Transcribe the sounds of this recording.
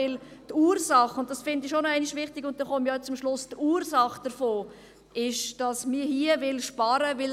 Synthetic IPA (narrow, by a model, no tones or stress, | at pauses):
ɪltuːɾsɑχʊnt̚d̥ɑsfɪndiʃonɔæɪnɪʃʋɪχtɪɡʊnt̚dɛnχomjɔt͡sʊmʃlʊstuːɾsɑχd̥əɾfoː | ʔɪʃd̥ɑsmiːhiəvɪlʃpɑɾəvɪl